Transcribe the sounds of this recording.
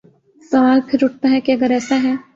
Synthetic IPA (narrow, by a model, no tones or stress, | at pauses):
sɐʋaːlpʰɪɾʊʈ̚t̪aɦɛkiɐɡəɾɛːsaɦɛː